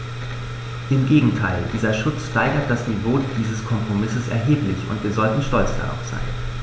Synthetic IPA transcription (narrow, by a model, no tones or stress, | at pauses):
ʔɪmɡeːɡŋ̩tʰaɪldiːzɐʃʊt͡sʃtaɪɡɐt̚d̥asnivoːd̥iːzəskʰɔmpʁ̥omɪsəsɛ̰ɐɦeːplɪçʊ̰ntviːɐzɔltn̩ʃtɔlt͡sd̥a̰ʁa̰ʊfz̥a̰ɪn